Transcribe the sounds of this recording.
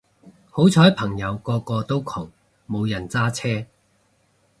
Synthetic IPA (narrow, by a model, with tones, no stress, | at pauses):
ho˨˥wt͡sʰɔː˨˥jpʰɐ˨˩ŋjɐ˨˧wkɔː˧kɔː˧t̪o˥wkʰɔː˨˩ŋ | mo˨˧wjɐ˨˩nt͡saː˥t͡sʰɛː˥